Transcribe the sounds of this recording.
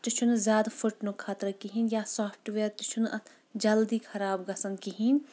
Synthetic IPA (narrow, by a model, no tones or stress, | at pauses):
t̪it͡ʃʰunzʲjaːd̪fuʈnukʰaːt̪ɾɐkiɦinjaːsoːfʰʈʋeːɾt̪it͡ʃʰunɐ | d͡ʒɐld̪ikʰɐɾaːbɡɐsɐnkiɦin